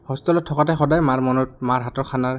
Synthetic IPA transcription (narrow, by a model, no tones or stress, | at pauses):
hɔstɔlɔtʰːɔkatɛxɔdajmaɹmɔnɔt̚maɹɦatɔɹkʰanaɹ